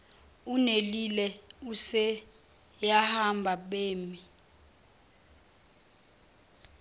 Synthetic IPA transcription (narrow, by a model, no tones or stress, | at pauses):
unelilɛusɛ | jahambʱaɓeːmi